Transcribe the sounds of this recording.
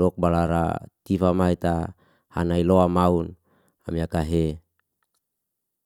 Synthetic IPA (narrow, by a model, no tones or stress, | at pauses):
ɔk̚balaɾa̰t̪ifamait̪a | hanailoamaun | amiakaɦe